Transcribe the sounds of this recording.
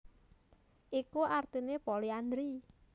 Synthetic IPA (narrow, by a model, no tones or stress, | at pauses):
ʔikuʔart̪inepoliand̪ɾi